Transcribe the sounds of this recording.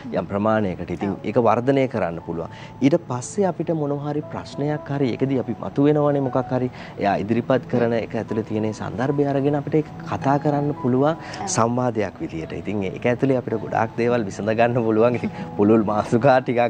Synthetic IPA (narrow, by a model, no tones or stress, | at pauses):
jʔa̰mpɾəmaːnejəkəʈəit̪iŋḛːkəʋard̪ənəjəkəɾanːəpuluʋa̰ŋ | iːʈəpasːeapiʈəmonoːɦaɾipɾa̰snejakhaɾiḛkəd̪iapimʔa̰t̪uʋenəʋanemokakhaɾi | ḛjaːḭd̪iɾipat̪kəɾənəḛkəæt̪ulet̪ijənesa̰nd̪arbeaɾəɡenəapiʈəekə̥kʰat̪aːkəɾanːəpuluʋaŋ | samʋaːd̪ejakʋid̪ijəʈə̰ḭt̪iŋḛkəɛt̪uleapiʈəɡoɖa̰ːk̚d̪eːʋalʋisənd̪əɡanːəpuluʋaŋit̪iŋpululmaːsukaːʈikak